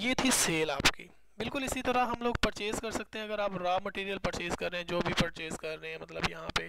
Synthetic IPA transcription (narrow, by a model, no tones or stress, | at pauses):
jeːt̪ʰiseːlaːpkḭː | bɪlkʊlɪsit̪ɐɾaɦɐmloːɡ̚pɐɾt͡ʃeːzkɐɾsɐk̚t̪eɦɛ̃ɐɡəɾaːpɾaːmɐʈiːɾijəlpɐɾt͡ʃeːzkɐɾːeɦɛ̃d͡ʒoːbʱipɐɾt͡ʃeːzkɐɾːeɛ̃mɐt̪ləbjɐɦãpe